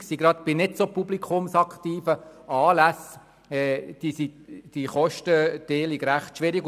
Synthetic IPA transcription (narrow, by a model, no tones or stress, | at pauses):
ksiɡɾɑt̪b̥ɪnɪtsopublikʰʊmsɑkχtiːfəɑːlæs | ɛd̥isid̥iχɔʃtəd̥eːliɡɾæχtʃʋɪɾiɡ